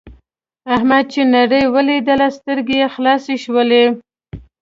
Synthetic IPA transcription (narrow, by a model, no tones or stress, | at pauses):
ahmad̪̚t͡ʃenaɽəjwəlid̪əlast̪əɾɡejexlɑseʃwəle